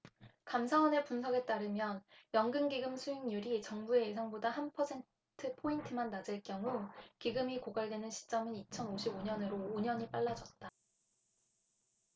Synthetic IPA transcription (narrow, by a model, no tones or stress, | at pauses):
kamsʰawʌne̞punsʰʌɡe̞t͈aɾɯmjʌnjʌŋɡɯnɡiɡɯmsʰuiŋɲuɾit͡ɕʌŋbue̞jesʰaŋbodahanpʰʌsʰe̞n | tʰɯpʰointʰɯmanːad͡ʑɯɭkjʌŋukiɡɯmikoɡaɭdwe̞nɯnɕʰi̥t͡ɕ͈ʌmɯnit͡ɕʰʌnoɕʰiboɲʌnɯɾoːɲʌɲip͈aɭːad͡ʑʌt̚t͈a